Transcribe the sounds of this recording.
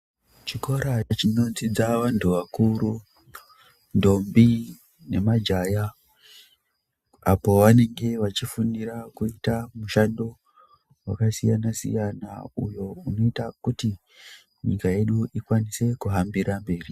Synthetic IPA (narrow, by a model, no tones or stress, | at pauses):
t͡ʃiko̞ɾat͡ʃino̞d͡zid͡zaʋantʰuʋakuɾu | ndo̞mbi | ne̞mad͡ʒaja | apo̞ʋane̞ŋɡe̞ʋat͡ʃifuniɾakuitamuʃando̞ | wa̰kasijanasḭjanaujo̞uno̞itakuti | ɲikaje̞ɗuʔikwanise̞kuɦambiɾambe̞ːri